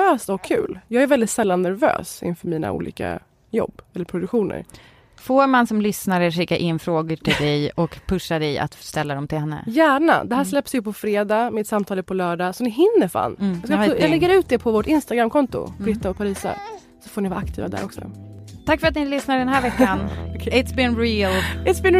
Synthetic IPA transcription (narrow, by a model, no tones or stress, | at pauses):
øːsɔkʰːʉ̟̰ːljɑːɡæɾvɛld̪ɪt̪sɛlːanːæɾvø̰ːsɪ̰nfœɾmiːna̰ʔṵːlḭːka̰ | jɔ̰bːɛlːəɾpʰɾʊd̪ɵkɧuːnə̰ɾ | foːɾmansɔmlʏsnaɾəʂɪkːaʔɪnːfɾoːɡəʈʰɪld̪ɛjɔkpʰɵʂad̪ɛja̰t̪st̪ɛlːad̪ɔmt̪ɪlhɛnːə̰jæːɳa̰d̪ɛɦæːʂlɛpːsjəpʰɔfɾeːd̪ɑːmɛɛt̪samt̪ʰɑːləpʰɔlœːɖɑːsɔnɪɦɪnːəɾfa̰ːnjɑskasɔjalɛɡːəɾʉ̟ːt̪̚d̪ɛpʰɔvoːʈɪnst̪aɡɾamkʰɔnt̪ʊ̰bɾɪt̪ːaɔpʰaɾiːsa̰ | sɔfoːɳɪvaːɾakt̪ʰḭːva̰d̪æ̰ɾʔɔksɔ̰t̪ʰakːfœɾat̪nɪlʏsnaɖ̪ɛnɦæːɾvɛkːanɪt̪sbɪnɾilɪt̪sbɪ